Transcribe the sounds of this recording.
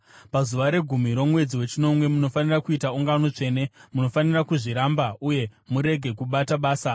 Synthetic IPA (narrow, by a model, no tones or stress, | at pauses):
pazuʋaɾe̞ɡʱumiɾo̞mwe̞d͡ziwe̞t͡ʃino̞mwe̞muno̞fanirakuitauŋɡano̞t͡ʂe̞ːne̞muno̞fanirakuʐiɾambauje̞muɾe̞ɡʱe̞kuɓataɓaːsa